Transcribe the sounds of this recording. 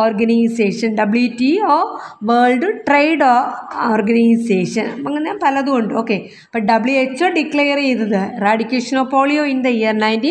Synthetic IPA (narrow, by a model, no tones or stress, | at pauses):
oːrɡɐnɐjseːʂɐnɖɐbljutːioːʋɐːɭɖɨʈrejɖoːoːrɡɐnɐjseːʂɐnpɐŋːɐɲaːnpɐlɐðukoɳɖɨoːkːeː | pɐʈ̚ɖɐbɭjuet͡ɕːoːɖiklejɐɾejt̪ːɐðɨraːɖikʲːeʂɐnoːpoːɭijoːind̪ɐjːanaːjindi